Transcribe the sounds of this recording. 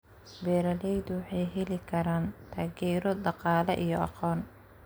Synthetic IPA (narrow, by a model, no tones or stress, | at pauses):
bɛːɾɐlɛjd̪ʊwɑħɑjɦɛlɪkʰɐɾaːnt̪ʰaːɡɛːɾɔɖɑqɑːlɐʔijɔɑ̰qɔːn